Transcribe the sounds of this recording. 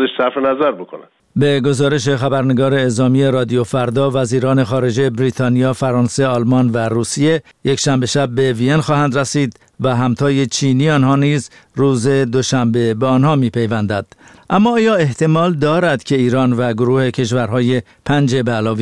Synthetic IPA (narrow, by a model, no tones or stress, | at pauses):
eʃsæɾfenæzæɾbokʰonæ̰̥ | be̞ɡo̞zɒːɾe̞ʃ̬e̞xæbæɾne̞ɡɒːɾe̞ːzɒːmije̞ɾɒːd̪ijofæɾd̪ɒːvæziːɾɒːne̞xɒːɾe̞d͡ʒejebɾiːt̪ʰɒːnijɒːfæɾɒːnse̞ɒlmɒnværuːsije̞ | je̞cʃæmbe̞ʃæb̚ːe̞vienxɒːhænd̪ræsiːd̪ | væɦæmt̪ʰɒːje̞t͡ʃʰiːniːɒnɦɒːniːz | ruːze̞d̪o̞ʃæmbe̞beɒnhɒːmiːpʰe̞jvænd̪æd̪̥ʔæmːɒːjɒːe̞ht̪ʰe̞mɒːld̪ɒːɾæd̪̥cʰe̞iːɾɒːnvæɡoɾuːhe̞cʰe̞ʃ̬væɾɦɒːje̞ | pʰænd͡ʒe̞beːlɒːvi